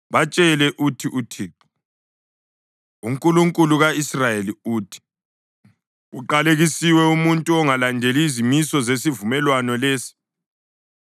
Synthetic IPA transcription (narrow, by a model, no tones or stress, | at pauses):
βat͡ʃʼɛlɛʔutʰiʔutʰi | uŋkʼuluŋkʼuluɣaisrajeliuːtʰi̥ | uǃaleɣisiwɛumuntʼuɔŋalandʱeliːzimisɔzesivumɛlwanɔleːsi̥